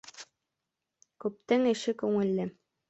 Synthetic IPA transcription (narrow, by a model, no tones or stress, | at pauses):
kʉp̚t̪ɘŋɘ̆ʃɘkʉŋɘ̆lːɘ